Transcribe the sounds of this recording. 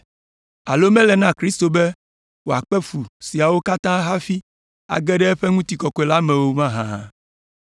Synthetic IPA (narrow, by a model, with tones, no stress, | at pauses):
a̰˨lo˦mɛ̃˦lɛ˨nã˦˨kɾi˦st̪o˨be˦ | wo˨a˨k͡pɛ˦fu˨si˨a˨wo˦ka˦t̪ã˦ɦa˦fi˦ | a̰˨ɡɛ˦ɖɛ˦ɛ˦ɸɛ˦ŋũ˦t̪i˨kɔ˨kɔ˨˦ɛ˨la˦mẽ˨wo˦mã˦ɦã˨ã̰˨